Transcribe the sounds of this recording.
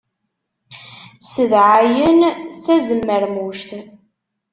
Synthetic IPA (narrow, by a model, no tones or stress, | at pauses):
səðʕajənθæzəmːəɾmuʃt̪